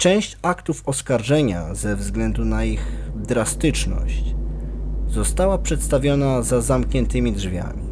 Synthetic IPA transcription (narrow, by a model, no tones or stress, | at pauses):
t͡ʂɛ̃w̃ɕt͡ɕakt̪ufɔskaɾʐɛɲa̰zɛvzɡlɛnd̪unaiɣd̪ɾast̪ɘt͡ʂnɔ̰ɕt͡ɕ | zɔst̪awapʂɛt̪st̪avʲjɔnazazamkɲɛnt̪ɘmʲidʐvʲja̰mʲi